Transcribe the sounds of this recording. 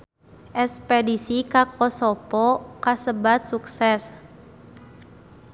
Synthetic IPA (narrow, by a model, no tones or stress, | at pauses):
ʔɛspɛdisikakɔsɔpɔkasəbat̪̚suksɛs